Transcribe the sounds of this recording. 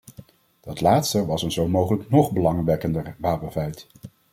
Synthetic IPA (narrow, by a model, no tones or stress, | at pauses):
d̥ɑtlaːtstəʋɑsənzowmowχələknɔχbəlɑŋʋɛkəndəɹʋaːpənvɛjt